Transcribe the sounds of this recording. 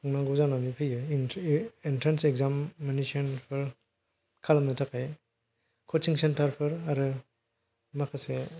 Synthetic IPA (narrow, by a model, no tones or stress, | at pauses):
kʰɯŋnaŋɡuzananipʰɯjɯ | intʰɾansekzamːenisiɔnpʰɯɾ | kʰalamnɯtʰakʰaj | kʰɔt͡ʃiŋsentaɾpʰɯɾaɾɯ | makʰase